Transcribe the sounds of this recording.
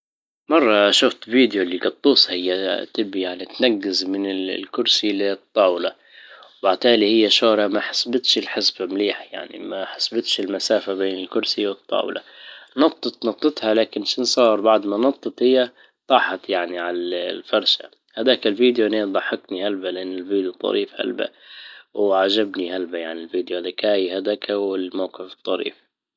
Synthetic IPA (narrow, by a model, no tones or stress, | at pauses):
mɑrˤːɑʃʊft̪viːd̪jolːiɡɑt̪ˤːuːsˤhɪjːat̪ɪbːijaʕnit̪naɡːɪzmɪnɪlkʊɾsilɪt̪ˤːɑːwla | wbaʕt̪aːlihɪjːaʃoːɾɑmaħḁsbɪt̪ʃɪlħɪsbamliːħja̰ʕnḭmaħasbɪt̪ʃɪlmasaːfabeːnɪlkʊɾsiwɨt̪ˤːɑ̰ːw̰la̰nɑtt̪ˤːɨt̪nɑt̪ˤːɨt̪halaːkɪnʃɪnsˤɑːɾˤbaʕd̪manɑt̪ˤːɨt̪hɪjːa | t̪ˤɑːħɑt̪jaʕniʕalalfɑɾˤʃa̰ | had̪aːkalviːd̪joʔneːd̪ˤɑħːɪknihalbalɪʔanːɪlviːd̪jut̪ˤːɑ̰ɾiːfha̰lba̰wʕaʒabnihalbajaʕnilviːd̪johad̪akaːjhad̪akʰawɪlmawqɪfɨt̪ˤːɑɾḭːf